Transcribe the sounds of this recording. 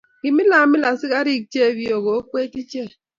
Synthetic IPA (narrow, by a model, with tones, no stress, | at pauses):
ki˨mi˦la˨mi˦la˨si˦ka˦ɾi˦˨k̚t͡ʃe˦˨βi˦o˨ɣo˨˦kwe˦ti˦t͡ʃe˦˨